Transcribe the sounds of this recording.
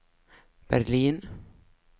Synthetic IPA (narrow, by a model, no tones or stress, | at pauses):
b̥æɾliːn